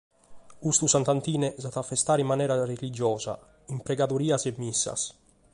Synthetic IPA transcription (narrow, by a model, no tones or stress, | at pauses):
ust̪usant̪ant̪iːnɛzat̪afːest̪aːɾimːanɛːɾarelid͡ʒɔːza̰ | impɾɛɡaðuɾiːasɛmːisːa̰s